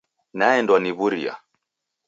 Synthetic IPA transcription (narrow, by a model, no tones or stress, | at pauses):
naɛndwaniβuɾḭa̰